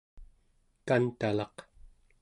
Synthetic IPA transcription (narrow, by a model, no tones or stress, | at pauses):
kant̪alɑq